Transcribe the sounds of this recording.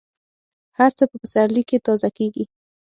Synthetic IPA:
haɾt͡səpəpəsaɾlikːet̪ɑzakeɡi

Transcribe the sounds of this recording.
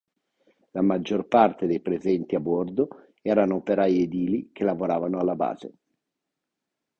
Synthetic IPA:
lamad͡ʒːorpart̪ed̪ejpɾezɛnt̪iabord̪o | ɛːɾanoːpeɾajed̪iːlikelavoɾaːvanoalːaba̰ːzḛ

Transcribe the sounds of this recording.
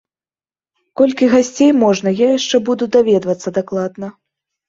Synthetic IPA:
kɔlʲkʲiɣasʲt͡sʲejmɔʐnɐjajaʂt͡ʂɛbud̪ud̪avʲɛd̪vɐt̪sːɐd̪aklˠad̪nɐ

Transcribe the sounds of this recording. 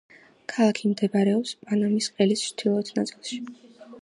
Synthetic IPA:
kʰalˠakʰimd̪ɛbaɾɛɔpspʼanamisqʼɛlisʃt̪ʰilˠɔt̪ʰnat̪sʼilˠʃi̥

